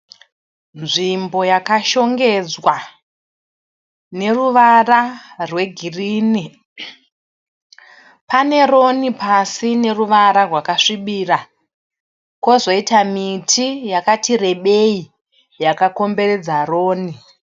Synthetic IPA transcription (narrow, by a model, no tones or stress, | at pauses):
nʐimbo̞jakaʃo̞ŋɡe̞d͡zwa | ne̞ruʋararwe̞ɡʱiriːni | pane̞ro̞nipasine̞ruʋaɾarwakaʂiɓiːra | kwo̞zo̞itamitʰijakatire̞ɓe̞i | jakako̞mbe̞re̞d͡zaro̞ːni